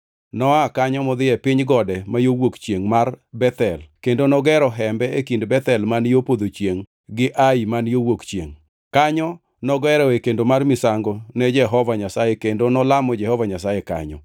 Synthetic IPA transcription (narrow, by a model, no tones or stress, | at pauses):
nɔakaɲɔmɔd̪ɪjɛpɪɲɡɔdɛmajowokt͡ʃjeŋmarbɛt̪ɛlkendonɔɡɛɾɔɦɛmbɛekindbɛt̪ɛlmanjopod̪ot͡ʃjeŋ | ɡɪʔaimanjowokt͡ʃjeŋ | kaɲɔ | nɔɡɛɾɔekendomarmɪsaŋɡonɛd͡ʒɛɦɔvaɲasajɛkendonɔlamɔd͡ʒɛhɔvaɲasajɛka̰ɲɔ̰